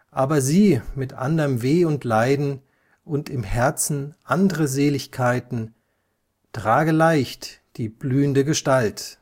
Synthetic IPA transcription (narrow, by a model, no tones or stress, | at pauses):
ʔaːbɐziːmɪtʔa̰ndɐmveːʊntʰlaɪdn̩ | ʔʊntɪmhɛɐt͡sn̩ʔandəʁəzeːlɪçkʰaɪtn̩ | tʁ̥aːɡəlaɪçtd̥iːblyːəndəɡəʃtalt